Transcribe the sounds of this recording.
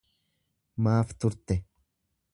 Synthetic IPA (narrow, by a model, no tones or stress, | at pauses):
maːft̪ʊɾt̪ɛ